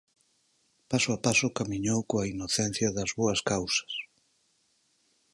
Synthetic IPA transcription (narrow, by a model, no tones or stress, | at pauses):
pasʊapasʊkamiɲowkoɐinoθen̟θjɐðɐzβoɐskawsɐ̥s